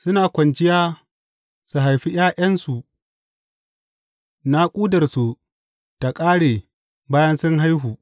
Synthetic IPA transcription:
sʊ˦naː˨kʷɐ˨nd͡ʒɪ˦jaː˦ | su˨ɦa˨jɸi˦j̰aː˦ʔɐ˦nsu˨ | na˦kʷʼuː˦dɐ˨rsu˨ | ta˨kʼaː˦ɽeː˨ | baː˦jɐ˦nsʊ˦ŋɦa˦jɦuː˨

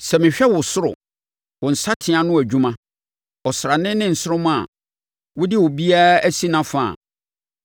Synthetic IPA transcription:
sɛ˨mɪ̃˨ɕᶣɛ˦wʊ˨sʊ˦ɾʊ̰˨ | wʊ˨n̩˨sa˦tʰɪ˨ã˨nʊ̃˦æ˨d͡ʑᶣũ˦mã˦ | ɔ˨sɾa˨nɪ̃˦nɪ̃˦n̩˨sʊ˦ʊ˦mʊ̃˦a̰˨ | wʊ˦dɪ˦wʊ˨bi˦a˦æ˦si˦nã˦fa̰˨

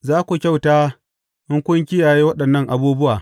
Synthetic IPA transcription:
zaː˦kʷu˨kʲa˦˨wtaː˦ | ʔɪ˦ŋkʷʊ˦ŋkʲɪ˦jaː˨ji˦wɐ˦ɗɐ˨nːɐ˦ŋʔa˨buː˦bʊ˦waː˨

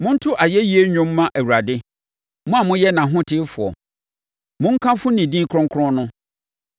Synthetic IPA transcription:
mʊ̃˦n̩˦tʰʊ˦ʔa˨jɛ˦ji˦e˦ɲᶣʊ̃˦mː˦ã˦ʔæ˨wu˨ɾa˨dɪ˦ | mʊ̃˦a˨mʊ̃˦jɛ˦nã˨ɦʊ̃˦tʰɪ˦fʊ˨ɔ̰˨ | mʊ̃˦ŋ̩˦kʰã˦fʊ̃˦nĩ˨dĩ˦kʰɾɔ̃˦ŋkʰɾɔ̃˦nʊ̃˦

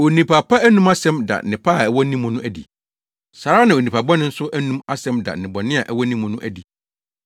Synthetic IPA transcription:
o˨nĩ˨pʰa˨pʰa˦æ˦nũ˦ma˦sɛ̃˦mda̰˨nɪ̃˨pʰa˦˨ɛ˨wɔ˦nĩ˦mːʊ̃˨˦nʊ̃˦ʔæ˦dḭ˨ | sa˨ɾa˦nã˨o˨nĩ˨pʰa˨bɔ˦nʊ̃˦n̩˦sʊ˦ʔæ˦nũ˦ma˦sɛ̃˨˦mda̰˨nɪ̃˨bɔ˨nɪ̃˦a˨ʔɛ˨wɔ˦nĩ˦mːʊ̃˨nʊ̃˦ʔæ˦di˨

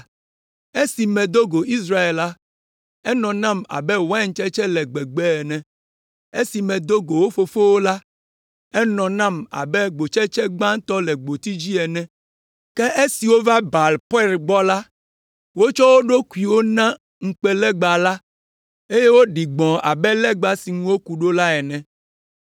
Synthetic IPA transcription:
e˦si˨mɛ̃˨d̪o˦ɡo˨ʔi˦sɾa˦e˨lːa˦ | ɛ˦nɔ̃˨nã˦ma̰˨bɛ˦wŋ̩˨˦t͡ʃɛ˦t͡ʃɛ˦lɛ˨ɡ͡bɛ˨ɡ͡bɛ˦ɛ˨nɛ̃˨ | e˦si˨mɛ̃˨d̪o˦ɡo˨wo˦fo˦fo˦wo˦la˦ | ɛ˦nɔ̃˨nã˦ma̰˨bɛ˦ɡ͡bo˨t͡ʃɛ˦t͡ʃɛ˦ɡ͡bã˦t̪ɔ˦lɛ˨ɡ͡bo˨t̪i˦d͡ʑi˦ɛ˨nɛ̃˦ | kɛ˦ʔe˦si˨wo˦va˦ba˨lpɛ˦lɡ͡bɔ˦la˦ | wo˦t͡ʃɔ˦wo˦ɖo˦ku˨i˨wo˦nã˦ | ŋ̩˨k͡pɛ˦lɛ˦ɡ͡ba˨la˦ | e˦je˦wo˦ɖi˨ɡ͡bɔ̃˨a̰˨bɛ˦lɛ˦ɡ͡ba˨si˨ŋũ˦wo˦ku˨ɖo˦la˦ɛ˨nɛ̃˨

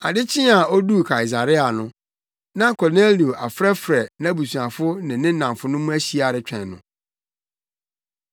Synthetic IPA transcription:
a˨dɪ˦t͡ɕʰɪ̃˦a˨o˦du˦˨kʰa˨ɪ˨z̬a˨ɾɪ˦a˨nʊ̃˦ | nã˦kʰɔ˨ne˦li˨o˨ʔa˨fɾɛ˦fɾɛ˨nã˦bu˨sũ˨a˨fʊ˦nɪ̃˨nɪ̃˦nã˨mfʊ˦nʊ̃˦mʊ̃˦æ˦ɕi˨˦a˨ɾɪ˦t͡ɕᶣʰɛ̰̃˨nnʊ̃˨

